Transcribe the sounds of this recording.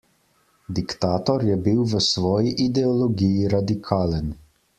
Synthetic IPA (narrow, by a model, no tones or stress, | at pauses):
d̪ikt̪aːt̪ɔɾjɛbiwʋəsʋɔːjiʔid̪ɛɔlɔɡijiɾad̪ikʰaːlən